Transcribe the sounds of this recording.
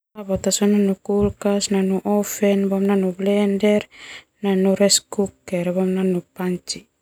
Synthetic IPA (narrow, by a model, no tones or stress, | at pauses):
aβat̪asonanukulkasnanuʔofenbamnanublendeɾ | nanuɾeskukeɾbamnanupant͡ʃi